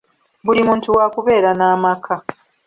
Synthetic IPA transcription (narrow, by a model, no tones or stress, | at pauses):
bulimũːntuwaːkuβe̞ːɾanaːmakʰa